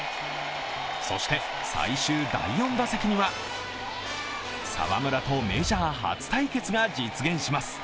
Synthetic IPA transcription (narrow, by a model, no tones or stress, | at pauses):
so̞̰ɕi̥t̪e̞ | sa̰iɕɨːd̪a̰ijõ̞nd̪asekʲiɲ̟iβa | sa̰βa̰mɯ̟ɾat̪o̞me̞ʑaːɦa̰t͡sɨ̥t̪aike̞t͡sɨɡad͡ʑit͡sɨɡẽ̞ɰ̃ɕimasɨ̥